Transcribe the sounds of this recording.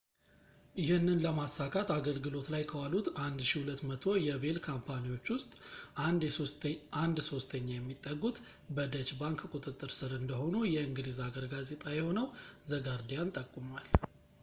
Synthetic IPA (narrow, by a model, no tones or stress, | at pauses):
jɪhɨnːɨnləmasːakʰat̪aɡəlɡɨlo̞t̪lajkʰəwalut̪and̪ʃihulət̪ːmət̪ʰo̞jɛbe̞lkʰampʰaniwo̞t͡ʃːwʊst̪ʼ | ʔand̪so̞st̪ʰəɲːajɛmːit̪ʼːəɡut̪ | bəd̪ət͡ʃbaŋkkʼut̪ʼɨt̪ʼːɨɾsɨɾɨnd̪əho̞nujɛɨŋɡɨlizaɡəɾɡaze̞t̪ʼajɛho̞nəwzəɡaɾd̪ijant̪ʼəkʼːumal